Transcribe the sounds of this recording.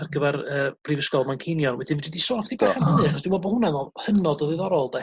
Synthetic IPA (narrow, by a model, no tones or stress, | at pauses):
arɡəvɛrəːb̥rivəskɔlˠmankʰejnjɔnwɛdɪnvididisɔrkʰtʰibaχanəðɨaχɔsd̥ɪmɔbɔhʊnanɔhənɔdɔðɨðɔɾɔlˠdɛ